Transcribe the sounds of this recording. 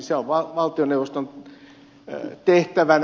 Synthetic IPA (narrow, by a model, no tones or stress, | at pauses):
seoʋʋɑʋɑlt̪ioneuʋost̪on | t̪eht̪æʋæn